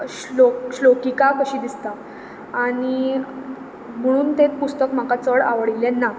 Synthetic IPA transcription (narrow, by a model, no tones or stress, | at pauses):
ɕloɕlokikakəɕiːd̪ist̪a | aɽ̃i | m̤əɽ̃uːnt̪et̪̚pust̪əkm̤akat͡səɽa̰ʋəɽilɛnːa